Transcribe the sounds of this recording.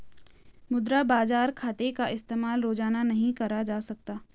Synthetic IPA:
mʊd̪ɾabaːzaːɾkʰaːt̪ekaʔɪst̪eːmaːlɾoːd͡ʒaːnanɐɦĩkɐɾad͡ʒaːsɐk̚t̪aː

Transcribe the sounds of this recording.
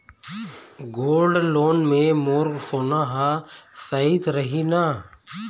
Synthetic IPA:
ɡoːlɖloːnmẽmoːɾɡsoːnaɦasəit̪ɾəɦina

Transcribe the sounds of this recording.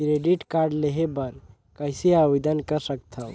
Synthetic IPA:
kɾeɖiʈkaɾɖleɦebəɾ | kəjsiabid̪ənkəɾsəkt̪ʰəw

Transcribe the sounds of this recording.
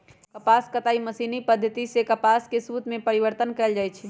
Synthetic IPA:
kəpaskət̪aiməsinipəd̪ʱːət̪isekəpaskesut̪mẽpəɾiʋəɾt̪ənkɛɪld͡ʒajt͡ʃʰɛ

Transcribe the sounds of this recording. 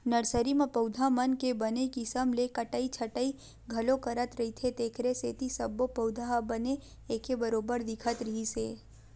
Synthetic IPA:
nəɾsəɾimãpəʊd̪ʱamənkebənekisəmlekəʈəit͡ʃʰəʈəi | ɡʱəlokəɾət̪ɾəɦit̪ʰet̪eːkʰɾesḛːt̪isəbːopəwd̪ʱaɦbəne | ekebəɾobəɾd̪ɪkʰət̪ɾəɦise

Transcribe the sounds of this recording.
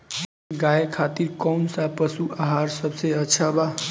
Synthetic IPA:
ɡajekʰat̪iɾkɔwnsapəsuaɦaɾsəbseətːʃʰaba

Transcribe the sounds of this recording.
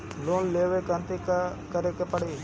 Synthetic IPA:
loːnleːʋeːkãnt̪iːkkəɾeːkepəɽeː

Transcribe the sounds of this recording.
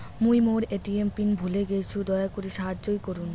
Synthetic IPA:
mujmoɾeʈiempinbʱuleɡet͡ɕʰud̪ɔeakoɾiʃaɦad͡ʑːojkoɾun

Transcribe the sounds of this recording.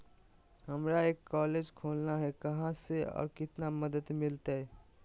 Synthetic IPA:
ɦəmɾaeːkːɔːleːd͡ʒkʰoːlnaɦɛkɐɦãseɔ̰ːɾkɪt̪naməd̪əd̪mɪlt̪aɦɛː

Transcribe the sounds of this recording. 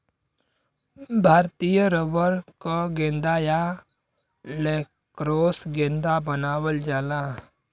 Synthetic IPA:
bʱaːɾt̪ijəɾəʋəɾkaɡẽːnd̪aːja | leː | kɾoːsɡẽːnd̪abənaːwəld͡ʒaːla

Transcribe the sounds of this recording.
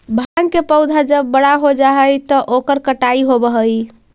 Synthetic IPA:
bʱaŋkepəwd̪ʱad͡ʒəbːəɽaɦod͡ʒaɦəjt̪ɔʔokəɾkəʈaiɦobəɦəj

